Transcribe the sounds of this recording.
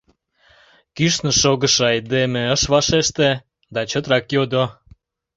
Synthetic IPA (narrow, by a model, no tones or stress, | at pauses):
kyʃnə̆ʃoɣəʃɑjd̪emeəʃβɑʃeʃt̪e | d̪ɑt͡ɕət̪ɾɑkjod̪o